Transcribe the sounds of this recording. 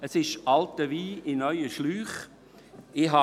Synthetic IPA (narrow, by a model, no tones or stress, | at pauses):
əsɪʃɑltəʋiːɪnœʏəʃlyːχ | ɪɦɑ